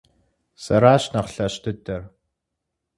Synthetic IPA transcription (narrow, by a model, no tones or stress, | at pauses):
sɐɾaːɕnɐχɬɐʃtʰɨdɐr